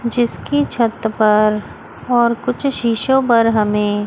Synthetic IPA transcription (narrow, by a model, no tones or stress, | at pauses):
d͡ʒɪskit͡ʃʰɐt̪pɐɾ | ɔːɾkʊt͡ʃʰʃiːʃõp̬ɐɾɦɐmẽː